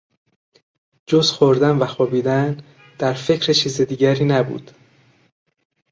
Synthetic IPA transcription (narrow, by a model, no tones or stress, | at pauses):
d͡ʒozxoɾd̪ænvæxoːbiːd̪æn | d̪̥æɾfe̞cʰɾet͡ʃʰiːzed̪iːɟæɾiːnæbṵːd̪̥